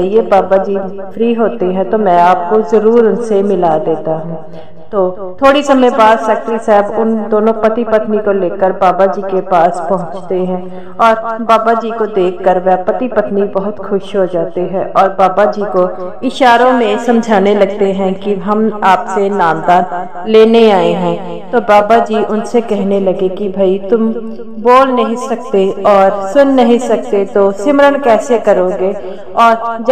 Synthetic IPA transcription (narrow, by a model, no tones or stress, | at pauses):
iebaːbad͡ʒiː | fɾiːɦoːt̪eɦɛ̃t̪omɛ̃aːp̚kozɐɾuːɾʊnsemɪlad̪eːt̪aɦũː | t̪oː | t̪ʰoːɽisɐmə̃jbaːd̪sɐk̚t̪ɾisaːɪbʊnd̪oːnõpɐt̪ipɐt̪nikoleːkəɾbaːbad͡ʒiːkepaːspɐɦʊ̃t͡ʃt̪eɦɛ̃ | ɔːɾbaːbad͡ʒiːkod̪eːkʰːəɾʋɛpɐt̪ipɐt̪nibɐɦʊt̪xʊʃɦod͡ʒaːt̪eɦɛ̃ʔɔːɾbaːbad͡ʒiːko | ɪʃaːɾõmẽsɐ̃md͡ʒʱaːnelɐɡ̚t̪eɦɛ̃kiɦɐmaːpsenaːmd̪aːn | leːneaːeɦɛ̃ː | t̪obaːbad͡ʒiːʔʊnsekɛɦnelɐɡekibʱaːit̪ʊm | boːlnɐɦĩsɐk̚t̪eɔːɾsʊnːɐɦĩsɐk̚t̪et̪oːsɪmɾənkɛːsekɐɾoːɡe | ɔːɾd͡ʒ